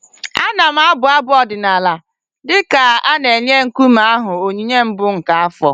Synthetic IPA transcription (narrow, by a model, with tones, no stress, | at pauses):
a˦na˨m̩˦a˦bʊ˨a˦bʊ˦ɔ˨dɪ˨na˨la˨ | dɪ˦ka˨a˦ne˨ɲ˦e˦ŋ̩˨ku˦ma˦a˦ɦʊ˨o˨ɲi˦ɲe˦m̩˦bʊ˦ŋ̩˨ka˨a˦fɔ˨